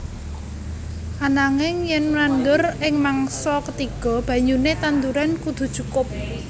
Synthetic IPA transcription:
anaŋɪŋjɛnmnand̪ʊrɪŋmaŋsɔkət̪iɡ̥ɔ̤b̥ä̤ɲunet̪and̪uɾankud̪̥ṳ̥t͡ʃukʊp̚

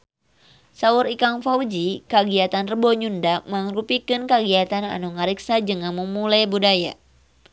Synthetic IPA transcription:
sauɾikaŋfawd͡ʒikaɡiat̪anrəboɲundaməŋɾupikɨnkaɡiat̪ana̰nuŋaɾiksad͡ʒəŋanməmulajbudaja̰

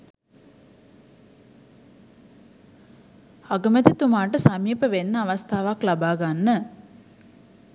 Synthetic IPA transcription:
ɐɡɐmɐt̪it̪umaːʈɨsɐmiːpɐʋenːɐɐʋɐst̪ʰaːʋaklɐbaːɡanːə

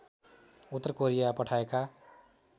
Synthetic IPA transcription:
ut̪ːʌrkoɾijapʌʈʰaeka

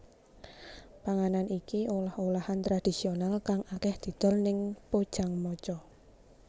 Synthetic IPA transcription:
paŋananʔikiʔolaholahant̪ɾad̥i̤sionalkaŋʔakɛhd̪̥i̤d̪̥ɔ̤lnɪŋpod̥ʒ̥a̤ŋmɔt͡ʃɔ

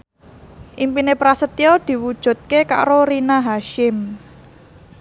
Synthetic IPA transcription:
ʔimpinepɾasət̪jɔd̪̥i̤wud̥ʒ̥ṳt̪̚keka̰ɾoɾinaɦaʃɪm

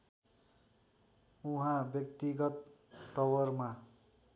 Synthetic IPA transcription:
uɦãbjʌk̚t̪iɡʌt̪ːʌwʌrma

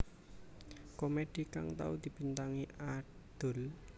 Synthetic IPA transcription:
komed̥i̤ka̰ŋt̪a̰ud̪̥i̤b̥i̤nt̪aŋia | d̪̥ʊ̤l

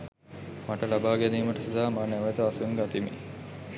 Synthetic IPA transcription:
maʈəlabaːɡæniːməʈəsud̪aːmaːnæʋet̪əasuŋɡat̪imḭ

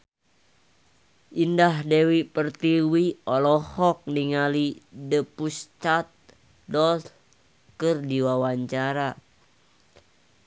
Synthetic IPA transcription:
ʔindahdewipərt̪iwiɔlɔhɔk̚niŋalidəpust͡ʃat̪̚ | dɔt | kɨrdiwawaɲt͡ʃaɾa

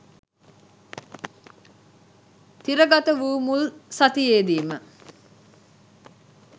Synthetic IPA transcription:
t̪iɾəɡat̪əʋuːmulsat̪ijeːd̪iːmə

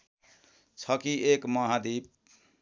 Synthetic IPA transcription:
t͡sʰʌkiʔekmʌɦãd̪ip̚

